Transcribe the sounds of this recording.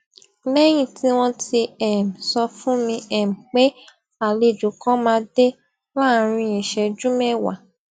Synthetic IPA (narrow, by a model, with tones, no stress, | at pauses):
lɛ˦j̃ĩ˦˨tʰi˨˦w̃ɔ̃˧ti˧ɛ˨m̩˨sɔ˧fũ˦mĩ˧ɛ˨m̩˨k͡pe˦ | a˨le˧˨d͡ʒu˨kɔ̃˦mãː˧de˦ | la˦˨ɾ̃ĩ˧e˨ʃɛ˧d͡ʒũ˦mɛ˦˨wa̰˨